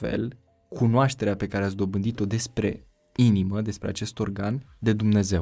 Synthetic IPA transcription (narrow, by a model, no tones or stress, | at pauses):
fe̞̰l | kʰunoaʃt̪e̞ɾeape̞kaɾeats̬d̪o̞bɨnd̪it̪o̞d̪e̞spɾe̞̰ | iniməd̪e̞spɾeat͡ʃe̞st̪o̞rɡan | d̪e̞d̪umne̞ze̞w